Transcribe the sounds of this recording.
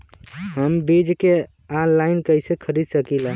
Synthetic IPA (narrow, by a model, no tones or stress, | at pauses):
ɦəmbid͡ʒke | anlaɪnkəɪsekʰəɾid̪səkila